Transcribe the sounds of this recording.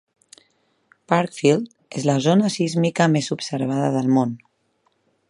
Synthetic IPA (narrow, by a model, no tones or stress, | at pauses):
paɾkfilˠd̪ | ezləzonəsizmikəmezupsəɾβ̞aðəðəlˠmon